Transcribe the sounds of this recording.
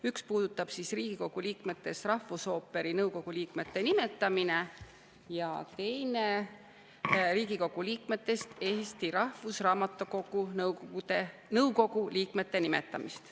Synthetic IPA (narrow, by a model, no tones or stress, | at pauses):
ykspuːd̪̥ut̪ːˑɑb̥sisriːɡ̥iko̞ɡ̥uliːkme̞t̪ːˑe̞st̪rɑhvuso̞ːpːe̞ɾinɤwko̞ɡ̥uliːkme̞t̪ːe̞nimet̪ːˑɑmine̞ | jɑ̰t̪e̞jne | riːɡiko̞ɡ̥uliːkme̞t̪ːˑe̞st̪e̞ːst̪iɾɑhfusrɑːmɑt̪ːˑuko̞ɡunɤwout̪enɤwko̞ɡ̥uliːkme̞t̪ːe̞nime̞̰t̪ːˑɑ̰mist̪